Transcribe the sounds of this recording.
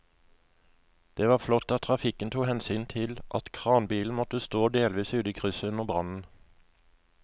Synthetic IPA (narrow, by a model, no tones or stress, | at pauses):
d̪̥eːʋɑːʁflɔt̪ːɑt̪ʰːʁɑfɪkənt̪ʰuːhɛnsyːnt̪ʰɪlʔɑ̰t̪kʰʁɑːnbiːln̩mɔt̪əst̪oːd̪eːlʋiːsʉːd̪iːkʰʁʏsəʉnəʁbʁɑnn̩